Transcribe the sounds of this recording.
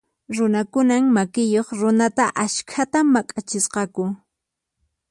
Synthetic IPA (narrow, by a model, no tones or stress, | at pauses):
ɾʊnakʊnaŋmakɪjoχɾʊnat̪aʔaʃkʰat̪amakʼat͡ʃɪsqɑkʊ